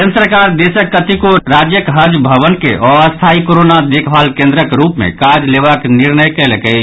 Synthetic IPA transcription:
ənsɾkaɾd̪esəkːət̪ikoɾad͡ʒjəkɦəd͡ʒbʱəβənkeʔɔəst̪ʰaikoɾonad̪ekʰbalkẽnd̪ɾəkɾupmḛ̃kad͡ʒleβəkniɾnəjkɛləkɛt͡ʃʰ

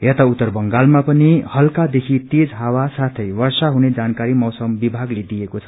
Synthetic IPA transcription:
jet̪aut̪ːʌrbʌŋɡalmapʌnihʌlkad̪ekʰit̪ed͡zɦawasat̪ʰʌjwʌrsaɦuned͡zankaɾimʌwsʌmbibʱaɡled̪ijekot͡sʰʌ̥

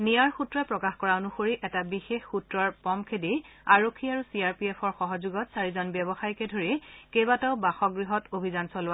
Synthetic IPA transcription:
nijaɹxutɹɔpɹɔkaxkɔɹaonuxoɹiʔɛtabixexːutɹɔɹpɔmkʰedi | aɹokʰːiaɹusiaɹpiɛpʰɔɹxɔɦɔzuɡɔtsaɹizɔnbjɛbɔxajkɛdʱoɹikejbatɔʊbaxɔɡɹiɦɔtobʱizansɔlʊwa

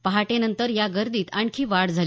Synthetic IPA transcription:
pəɦaʈenənt̪əɾjaɡəɾd̪iːt̪aɳkʰiːʋaɽd͡zʱal

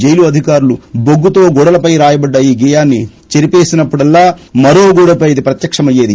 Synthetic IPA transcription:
d͡ʒejluɐd̪ʱikaːɾuluboɡːut̪o̞ːɡɔɽɐlɐpɐjɾaːjɐbɐɖːɐiːɡɛːjaːnːi | t͡ʃeɾipe̞ːsinɐpːuɽɐlːaːmɐɾo̞ːɡuɽɐpɐjid̪ipɾɐt̪jɐkʂɐmɐjːeːd̪i

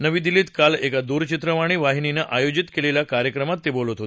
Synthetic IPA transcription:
nəʋid̪ilit̪kalekad̪uɾt͡ɕit̪ɾəʋaɽ̃iʋaɦinineʔajod͡ʑit̪kelelakaɾjəkɾəmat̪ːebolot̪ɦot̪

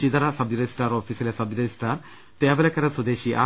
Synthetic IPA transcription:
id̪aɾasɐb̚d̪iɾesʈaɾɔfʰiselesɐbd̪iɾesʈaɾ | t̪ɛabelɛkaɾasod̪eʃiʔa

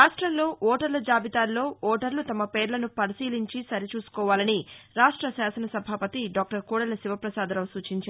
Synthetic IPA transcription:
aːʂʈɾɐmlo̞ːʔɔːʈɐɾlɐd͡ʒaːbit̪aːlːo̞ːʔɔːʈɐɾlut̪ɐmɐpeːɾlɐnupɐɾisiːliɲt͡ʃisɐɾit͡ʃuːsu̥kɔːʋaːlɐniɾaːʂʈɾɐsaːsɐnɐsɐbʱaːpɐt̪iɖaːk̚ʈɐɾkuːɽɐlɐsiʋɐpɾɐsaːd̪ɐlɐʋsuːt͡ʃiɲt͡ʃa

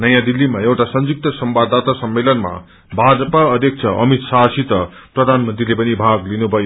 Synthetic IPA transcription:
nʌjãd̪ilːimajewʈasʌnd͡zuk̚t̪ʌsʌmbad̪at̪asʌmːelʌnma̰ | bʱad͡zʌpaʌd̪ʱjʌk̚t͡sʰʌʔʌmit̪sasit̪ʌprʌd̪ʱanmʌnt̪rilepʌnibʱaɡlinubʱʌjo

